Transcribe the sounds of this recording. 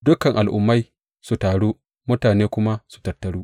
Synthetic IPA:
dʊ˦kɐ˨ŋʔa˨lʔʊ̰˦mːa˦j | su˨taː˨ɽuː˦ | mʊ˦taː˨neː˦kʷʊ˦ma˦su̥˨tɐ˨rtːɐ˨ɽuː˦

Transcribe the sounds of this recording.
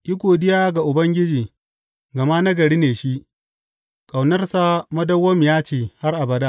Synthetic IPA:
ʔɪ˦kʷoː˨dɪ˦jaː˦ɡa˨ʔʊ˨bɐ˦ŋɡʲɪ˦d͡ʒiː˨ | ɡɐ˨ma˦nɐ˦ɡɐ˨ɽiː˦neː˨ʃi˦ʔ | kʼa˨wnɐ˦rsa˦mɐ˦dɐ˦wːɐ˦mjaː˦t͡ʃeː˨ha˦rʔa˨bɐ˨da˦

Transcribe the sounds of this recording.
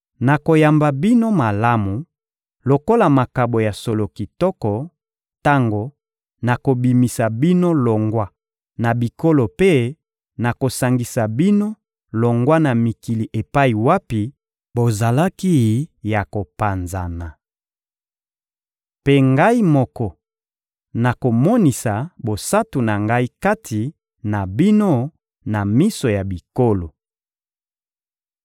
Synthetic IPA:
na˨ko˨ja˨mba˨bi˦no˦ma˨la˦mu˨ | lo˨ko˦la˨ma˨ka˨bo˨ja˨so˨lo˨ki˨tɔ˦kɔ˨ | ta˦ŋɡo˨ | na˨ko˨bi˨mi˨sa˨bi˦no˦lo˨ŋɡwa˦ | na˨bi˨ko˦lo˨pe˦ | na˨ko˨sa˨ŋɡi˨sa˨bi˦no˦ | lo˨ŋɡwa˦na˨mi˨ki˨li˨ʔe˨pa˦i˨wa˦pi˨ | bo˨za˨la˦ki˦ja˨ko˨pa˨nza˨na˨ | pe˦ŋɡa˦i˦mɔ˦kɔ˦ | na˨ko˨mɔ˦ni˨sa˨bo˨sa˦tu˨na˨ŋɡa˦i˦ka˦tʰi˨ | na˨bi˦no˦ | na˨mi˦so˨ja˨bi˨ko˦lo˨

